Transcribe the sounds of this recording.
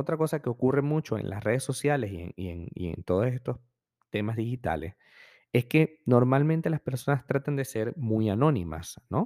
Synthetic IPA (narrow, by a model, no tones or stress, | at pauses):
ot̪ɾako̞sake̞o̞kure̞mut͡ʃo̞ḛnla̰sre̞ð̞esːo̞sjale̞siḛniḛnḭḛnt̪o̞ð̞ose̞st̪o̞s | t̪e̞mazðixit̪a̰le̞̰s | e̞ske̞no̞ɾmalmẽnt̪e̞laspe̞ɾso̞nast̪ɾat̪and̪e̞se̞ɾmujano̞nima̰sno̞